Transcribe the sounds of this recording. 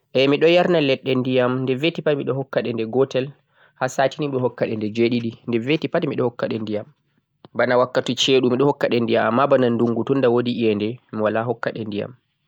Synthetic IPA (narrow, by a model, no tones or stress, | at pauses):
ʔɛmiɗɔjaɾnalɛɗːɛndijamndɛvetipamiɗɔhɔkːaɗɛndɛɡɔtɛl | hasaːtiniɗɔhɔkːaɗɛndɛd͡ʒeɗiɗindɛvetipatimiɗɔhɔkːaɗɛndijam | banawakːatut͡ʃɛɗumiɗɔhɔkːaɗɛndijamamːabananduŋɡutundawodiʔijɛndɛmiwalaɦɔkːaɗɛndija̰m